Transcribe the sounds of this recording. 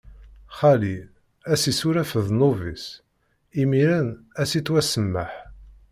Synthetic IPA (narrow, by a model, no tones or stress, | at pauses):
χæli | æsisuɾæfəðnʊvis | imiɾənæsit̪ːwæsəmːəħ